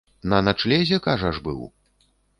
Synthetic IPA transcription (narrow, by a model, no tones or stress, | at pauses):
nɐnat͡ʂlʲɛzʲɛkaʐɐʐbɨ̰w